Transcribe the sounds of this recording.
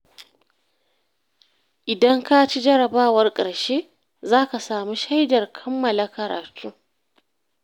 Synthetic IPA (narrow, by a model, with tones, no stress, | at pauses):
ʔɪ˨dɐ˦ŋka˦t͡ʃi˦d͡ʒɐ˦ɾɐ˨baː˦wɐ˦rkʼɐ˨ɽʃeː˦ | zaː˦ka˨saː˨mu˦ʃa˦jdɐ˨rkʰɐ˦mːɐ˨la˦kɐ˨ɾa̰ː˨tʰuː˦